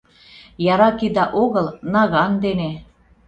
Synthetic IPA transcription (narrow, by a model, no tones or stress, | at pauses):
jɑɾɑkid̪ɑʔoɣəlnɑɣɑnd̪ene